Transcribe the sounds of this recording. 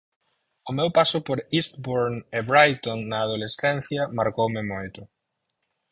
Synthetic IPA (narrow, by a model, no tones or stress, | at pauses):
ʊmewpasʊpoɾist̪boɾnɪβɾajt̪onːɐːð̞olesθɛn̟θjɐmaɾkowmɪmojt̪ʊ